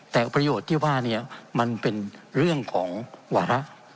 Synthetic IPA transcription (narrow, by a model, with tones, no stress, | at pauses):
t̪ɛː˨˩pɾa˧joː˨˩t̪ʰːiː˥˩waː˥˩ni˥˩ɐma˧npe˧nɾɯ˥˩əŋkʰɔː˩˦ŋwaː˧˥ɾa˦˥ʔ